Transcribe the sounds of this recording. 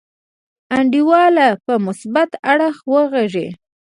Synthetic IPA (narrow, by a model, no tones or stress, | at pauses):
aɳɖiwɑlapəmʊsbat̪aɽəxwəɣeʒḛ